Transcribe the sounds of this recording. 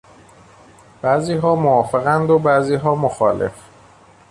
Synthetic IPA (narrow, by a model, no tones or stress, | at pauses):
b̥æziːɦɒːmoɒːfe̞ɣænd̪obæziːɦɒːmoxɒːlʔe̞̰f